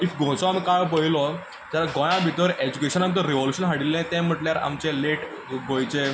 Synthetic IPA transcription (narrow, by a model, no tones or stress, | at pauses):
ikɡʱõt͡sɔamiːkajpəɦilɔ | d͡ʑ̪alaɡɔ̃jãbʱit̪əʋəɾʔed͡ʑukeɕənamt̪̬əɾiʋoluɕənɦaɽilːɛ̃t̪ɛ̃m̤əʈljaɾa̰mt͡ɕeleʈ | ɡõjt͡ɕe